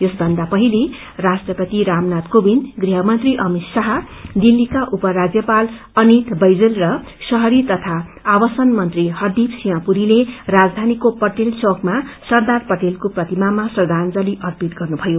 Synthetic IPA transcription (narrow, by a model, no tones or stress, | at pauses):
jʌsbʱʌnd̪apʌɦili | rasʈrʌpʌt̪iɾamnat̪kobinɡriɦʌmʌnt̪riʔʌmit̪saɦʌ | d̪ilːikaʔupʌɾad͡zjʌpal | ʌnit̪bʌjd͡zelrʌ | sʌɦʌɾit̪ʌt̪ʰaː | bʌsʌnmʌnt̪riɦʌrd̪ipsiɦãpuɾilerad͡zd̪ʱanikopʌʈelt͡sokmasʌrd̪arpʌʈelkoprʌt̪imamasʌd̪ʱand͡zʌliʔʌrpit̪ɡʌrnubʱʌjo